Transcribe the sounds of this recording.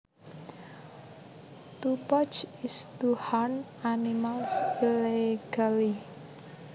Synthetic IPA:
t̪upɔt͡ʃist̪uhan | animalsileɡ̥ali

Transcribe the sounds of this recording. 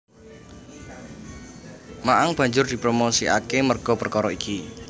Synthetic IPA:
maʔaŋb̥ä̤ɲd͡ʒʊrd̪̥i̤pɾomosiʔa̰kemərɡ̥ɔ̤pərkɔɾɔiki

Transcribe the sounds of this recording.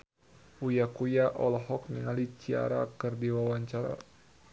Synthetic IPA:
ujakujaʔɔlɔɦɔk̚niŋalit͡ʃia̰ɾa̰kɨrdiwawaɲt͡ʃaɾa̰

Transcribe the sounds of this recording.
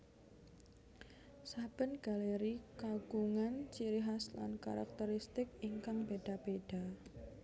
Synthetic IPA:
sab̥ə̤nɡ̥a̤leɾikaɡ̥uŋant͡ʃiɾiɦasla̰nka̰ɾa̰k̚t̪əɾist̪ɪkiŋkaŋb̥eɖ̥a̤b̥eɖ̥a̤

